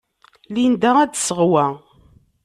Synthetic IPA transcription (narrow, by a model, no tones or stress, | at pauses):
lind̪ææd̪səʁwæ